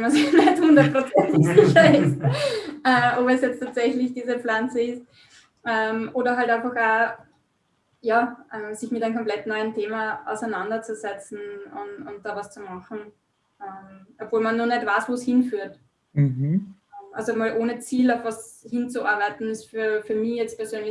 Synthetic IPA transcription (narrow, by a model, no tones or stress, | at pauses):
masnɛthʊ̃ndɐtpʁ̥ot͡sɛntɪçɪçɐɪst | ɛobɛsjɛt͡stʰaːtsɛçlɪçd̥iːzəp͡flant͡səɪst̚ | ʔɛmʔoːdɐɦaltæ̃ɪnfɐχaː | jaːʔɛsɪçmɪtæɪmkʰɔmplɛtnɔʏəntʰeːmɐa̰ʊsæɪnandɐt͡suzɛt͡sn̩ʊnʊnt̚d̥aːvast͡sumaχn̩ | ɛmʔopv̥oːlmanːuːɐnɛtvaɪsvoːshɪnfyːɐt | ɛʔa̰lzomaːlʔoːnət͡siːlaʊfvashɪnt͡suʔaɐbæɪtn̩ɪsfyːɐfyːɐmɪçjɛt͡st̚pʰɛɐzøːnlɪ